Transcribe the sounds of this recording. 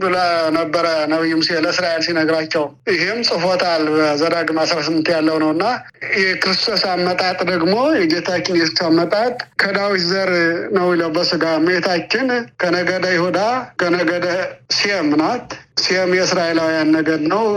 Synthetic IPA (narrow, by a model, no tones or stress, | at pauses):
d̪ulanəbːəɾənəβijːɪmsieləɨsɾaʔelsinəɡɾat͡ʃːɛw | jɪɦɪmsʼɨfot̪ʰalbəzəd̪aɡɨmasɾasɨmːɨnt̪jalːəwnəwɨnːa | jɛkɨɾɨst̪ʰo̞samːət̪ʼat̪ʼd̪əɡmo̞jɛd͡ʒet̪ʰat͡ʃːɪnjɛsksamːət̪ʼat̪ʼkʰəd̪awit̪zəɾnəwjɪləwbəsɨɡaməjet̪ʰat͡ʃːɪnkʰənəɡəd̪əjɪhod̪akənəɡəd̪əsiɛmːɨnat̪siɛmjɛɨsɾaʔe̞lawijanːəɡəd̪nəw